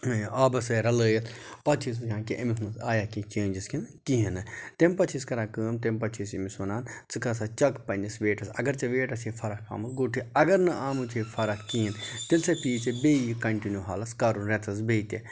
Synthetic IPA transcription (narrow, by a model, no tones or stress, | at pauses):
aːbɐsɐɾɐləːjɐt̪ʰpɐt͡ʃʰis̬ɨjãːkeʔɐmismɐsaːjaːkit͡ʃeːnd͡ʒiskʰinkiɦinɨt̪empɐt͡ʃʰiskɐɾaːkəːmt̪empɐt͡ʃʰisimisonaːnt͡sɨkɐs̬at͡ʃɐkpɐnisʋeːʈɐsɐ̰ɡɐɾt͡ʃɐʋeːʈɐsifʰɐɾɐkʰa̰ːmɐlɡoʈʰiɐɡɐɾnɐʔaːmɨt͡ʃʰefʰɐɾɐkkiːint̪elsɐpiːt͡ʃebejikɐɳʈinjuːɦaːlɐskaːɾuɾet͡s̪ʰɐs̬beːt̪e